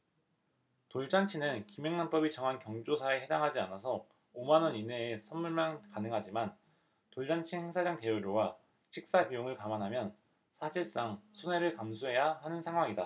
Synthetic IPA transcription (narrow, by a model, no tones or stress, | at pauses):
toɭt͡ɕ͈ant͡ɕʰinɯnkimjeŋnamp͈ʌbit͡ɕʌŋɦankjʌŋd͡ʑosʰaeɦe̞daŋɦad͡ʑianasʰʌ | omanʌnine̞ːsʰʌnmuɭmankanɯŋɦad͡ʑiman | toɭd͡ʑant͡ɕʰinhe̞ŋsʰad͡ʑaŋte̞uɾjowa | t͡ɕʰik̚s͈apijoŋɯɭkamanɦamjʌn | sʰaɕʰiɭs͈aŋsʰone̞ɾɯɭkamsʰuɦe̞jaɦanɯnsʰaŋɦwaŋida